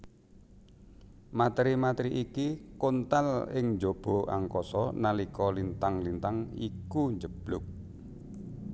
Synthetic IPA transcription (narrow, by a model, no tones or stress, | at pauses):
mat̪ɾimat̪ɾiʔikikont̪alɪŋd͡ʒob̥ɔ̤ʔa̰ŋkɔsɔnalikɔlint̪aŋlint̪aŋikuɲd͡ʒəb̥lʊk̚